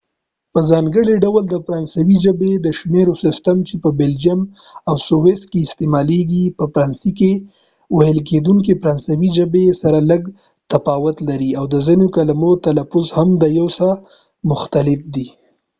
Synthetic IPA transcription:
pəzɑŋɡəɽiɖawld̪əfɾɑnsawiʒəbed̪əʃmeɾosɪst̪amt͡ʃepəbɪld͡ʒam | awsowes̚keɪst̪emɑleɡipəfɾɑnsike | wajəlk̬ed̪uŋk̬efɾɑnsawid͡ʒəbesaɾaləɡ | t̪afɑwʊt̪laɾiawd̪əzinokalamot̪alafʊzhamd̪əjawsa | mʊxt̪alɪfd̪i

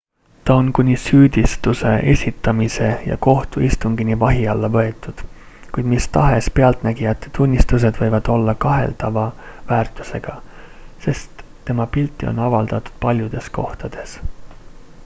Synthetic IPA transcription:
t̪ɑo̞nkunʲisyːd̪̥ʲist̪use̞̰ʔe̞sʲit̪ːˑɑmise̞jɑ̰ko̞ht̪uist̪uŋɡ̥inivɑɦiɑlːɑvɤe̞t̪ˑːud̪̥ | kujd̪̥mist̪ɑɦe̞spe̞ɑlt̪ˑnæɡ̥iɑt̪ːˑe̥t̪unʲːist̪us̬e̞d̪̥vɤ̞jvɑd̪̥o̞lːɑkɑɦe̞̰lt̪ɑvɑvæːrt̪ːˑu̥se̞ɡ̥ɑse̞st̪ːe̞mɑpilt̪ːˑio̞̰nɑvɑld̪̥ɑt̪ːˑu̥d̪̥̚pɑlʲjud̪̥e̞sko̞ht̪ɑd̪̥e̞s

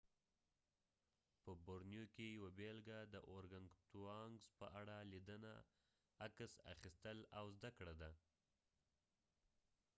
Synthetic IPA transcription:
pəboɾnjokejawabelɡad̪əʔoɾɡaŋt̪uɑŋɡzpəʔaɽalid̪əna̰ | akəsa̰xist̪əlawzd̪akɽad̪a

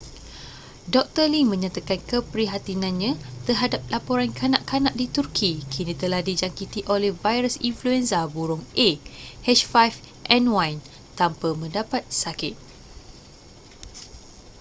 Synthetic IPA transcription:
dɔk̚t̪əlimə̃ɲãt̪akankəpəɾiɦat̪inãnɲãt̪ərɦadap̚lapoɾankʰanãʔkanãʔdit̪urkʰikʰinit̪əlahdid͡ʒaŋkit̪iʔolɛhvajɾəsinfluɛnsabuɾʊŋʔehɛʃfajf | ʔɛnwajn | t̪ampəmə̃ndapat̪̚sakɪt̪̚

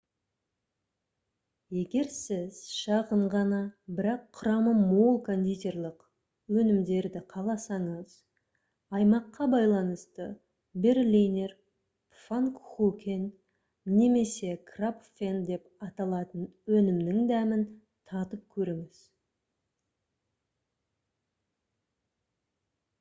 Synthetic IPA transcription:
je̞ɡʲe̞ɾsɪz̥ʃɑʁəɴʁɑnɑbɪɾɑqʰːʊɾɑməmolˠkʰand̪ʲit̪ʲe̞ɾlˠəq | wɵnɪmd̪e̞ɾd̪ɪqʰɑlˠɑsɑɴəz̥ | ɑjmɑqːɑbɑjlˠɑnəst̪ə | berlʲiner | faŋkχukʲenː | e̞me̞se̞krapfend̪e̞pɑt̪ɑlˠɑt̪ənwɵnɪmnɪŋd̪æmɪn | t̪ʰɑt̪əp̚kʲʰɵɾeŋɪz̥

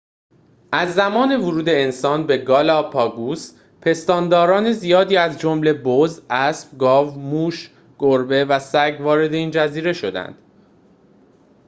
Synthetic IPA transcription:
ʔæzːæmɒːne̞voɾuːd̪e̞ːnsɒːnbe̞ɡɒːlɒːpʰɒːɡus | pʰe̞st̪ɒːnd̪ɒːɾɒːne̞zijɒːd̪iːæzd͡ʒomle̞bozʔæsb̚ɡɒːvmuːʃ | ɡ̥oɾbe̞væsæɟvɒːɾe̞d̪e̞iːnd͡ʒæziːɾe̞ʃo̞d̪æ̰nd̪̥

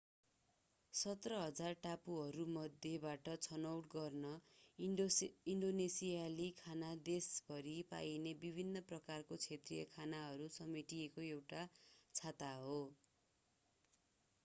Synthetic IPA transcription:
sʌt̪rʌɦʌd͡zarʈapuɦʌɾumʌd̪ʱjebaʈʌt͡sʰʌnʌwʈɡʌrnʌ | iɳɖonesijalikʰanad̪esbʱʌɾipa̰jnebibʱinːʌprʌkarkot͡sʰet̪rijʌkʰanaɦʌɾusʌmiʈiekoewʈat͡sʰat̪aɦo

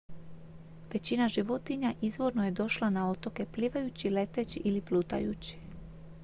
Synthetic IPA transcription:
ʋe̞t͡ɕinaʒiʋo̞t̪iɲaʔizʋo̞ɾno̞je̞d̪o̞ʃlˠanao̞t̪o̞ke̞pliʋajut͡ɕile̞t̪et͡ɕiʔiliplut̪a̰jṵt͡ɕi̥

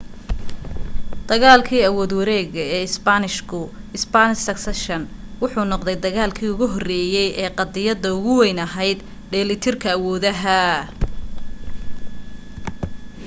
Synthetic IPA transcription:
d̪̥ɐɣaːlkʰiːɐwɔːd̪wɐɾɛːɣɐɛːɪsbanɪʃkʰʊ | ɪsbanɪʃsɐksɐʃɐn | wʊħuːnɔqd̪ɛjd̪ɐɣaːlkʰiːʊɣʊɦɔrɛːjɛjʔɛːqɑd̪ɪjɐd̪ɐʊɣʊwɛjnɐɦɛjd̪ | ɖɛːlɪt̪ʰɪrkʰɐːwɔːðɐɦɐ

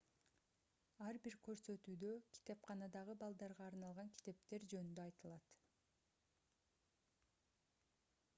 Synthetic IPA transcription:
ɑɾbiɾkø̞ɾsø̞t̪yːd̪økʲʰi̥t̪e̞pqʰɑnɑd̪ɑʁɯbɑlˠd̪ɑɾʁɑːɾnɑlˠʁɑŋkʲʰi̥t̪e̞p̚t̪e̞ɾd͡ʒø̞nynd̪øɑjt̪ɯlˠɑt̪

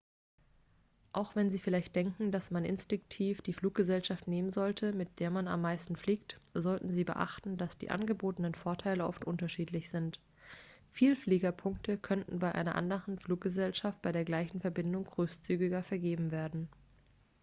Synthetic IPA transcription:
ʔaʊxv̥ɛnziːfɪlaɪçt̚d̥ɛŋkŋ̩dasmanʔɪ̰nstɪŋk̚tʰiːfd̥iːfl̥uːk̚ɡ̥əzɛlʃaftneːmənzɔltʰəmɪt̚d̥eːɐmana̰mːaɪstn̩fliːk̚tz̥ɔltn̩ziːbə̰ʔa̰χtn̩d̥asd̥ḭːʔa̰nɡəboːtənənfoːɐtʰaɪləʔɔ̰ftʔʊntɐʃiːtlɪçz̥ɪnt | fiːlfliːɡɐpʰʊŋk̚tʰəkʰœntn̩baɪʔa̰ɪnɐʔa̰ndəʁənfluːk̚ɡ̥əzɛlʃaft̚b̥aɪɾeːɐɡlaɪçn̩fɛɐbɪndʊŋɡ̥ʁøːst͡syːɡɪɡɐfɛɐɡeːbm̩veːɐdn̩

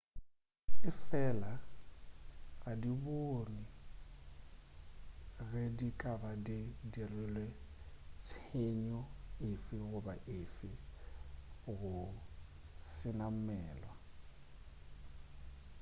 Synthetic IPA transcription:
ɪfɛːla | ɣadiboni | ɣɛdikʼabadɪdielwɛlwet͡sʰeɲɔɪfɪɣʊbaʔɪfɪ | ɣʊ | sɪnam̩mɛːlwa

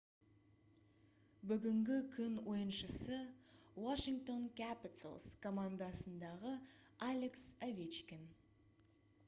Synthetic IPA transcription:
bʏɡʲɪŋɡʲɪkʲʰʏnwo̞jənʃəsəwaʃiŋk̚t̪o̞nkʲʰæpɪt̪ə̰lˠskʰo̞mand̪ɑsənd̪ɑʁəalʲeksavʲet͡ʃkʲen

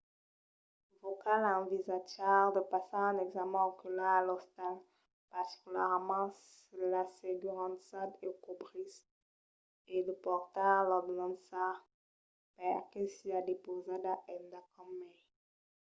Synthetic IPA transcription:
vokalɑ̃vizataʁd̪əpasaɛ̃nɛɡzamɛ̃okylaalɔst̪al | paʁt̪i̥kʲylɛʁmɑ̃s | laseɡyʁɑ̃t̪sad̪ekobʁis | eləpɔʁt̪alɔd̪nɔ̃nd̪saʁ | pɛʁkesiad̪epozad̪aʔɛnd̪akɔmɛ

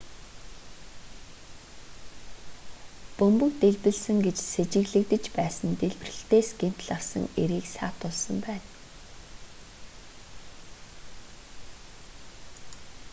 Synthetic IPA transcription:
pɵmpɵ̆kt̪eɮpɘ̆ɮsɘ̆ŋɡet͡ɕset͡ɕɪ̆ɣɮɘ̆k̚t̪ɘ̆t͡ɕpæːsə̆nt̪eɮp̆rɘ̆ɬt̪eːsɡem̥t̪ɮawsə̰̆ŋeɾiːksaːt̪ʊɮsə̆mpæːn

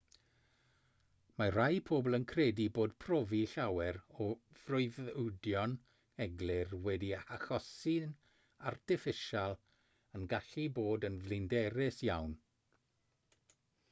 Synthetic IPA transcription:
mar̥ajpʰoːblˠənkʰrɛdiboːdpʰrɔviɬawɛɾɔv̥rʊɨðdjɔn | ɛɡlˠɪrwɛdiaxɔsɪn | artʰɪfɪʃalˠ | ənɡaɬiboːdənvlˠɪndɛɾɪsjawn

